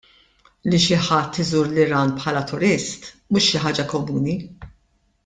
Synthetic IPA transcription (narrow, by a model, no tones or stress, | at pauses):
liʃɪħɐt̪ːɪzuːɾlɪɾɐːnpħɐːlɐt̪ʊɾɪst̪ | muːʃːɪħɐːd͡ʒɐkɔmuːni